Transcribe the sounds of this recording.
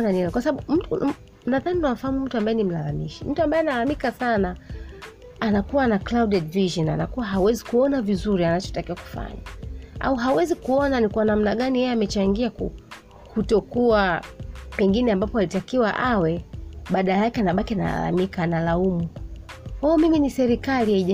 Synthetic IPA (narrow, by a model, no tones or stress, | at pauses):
nanikwasaɓaɓum̩tu | naðaninawafahamum̩tuambajɛnim̩lalamiʃim̩tuambajɛnalalamikasanaː | nakuwanaklawɗɛdviʒɔna̰na̰kuwaɦawɛzikuɔnavizuɾianat͡ʃɔ̥takiwaku̥fa̰ɲaa̰uɦawɛzikuɔnanikwanam̩naɠanijɛjɛamɛt͡ʃaŋɡiaku | hutɔkua | pɛŋɡinɛambapɔalitakiwaʔawɛɓaɗaajakɛanaɓakiana̰la̰la̰mikaːnalaumu | waɔmiminisɛɾikalijaiʄa